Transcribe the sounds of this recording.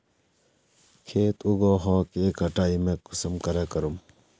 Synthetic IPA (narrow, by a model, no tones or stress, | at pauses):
kʰeːt̪uɡoːɦõːkeeːkɦɐʈaːimẽːkusəmkɐɾeːkɐɾum